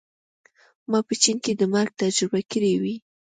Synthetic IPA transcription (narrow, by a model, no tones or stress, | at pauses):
mɑpət͡ʃinked̪əmaɾɡ̚t̪ad͡ʒɾɪbakəɾiwi